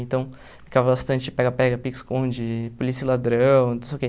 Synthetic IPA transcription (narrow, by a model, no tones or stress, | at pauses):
ẽnt̪ɐ̃w̃ | fi̥kavɐbast̪ɐ̃nt͡ʃɪpɛɡɐpɛɡɐpikskõd͡ʒɪpolisilad̪ɾɐ̃w̃nũsewke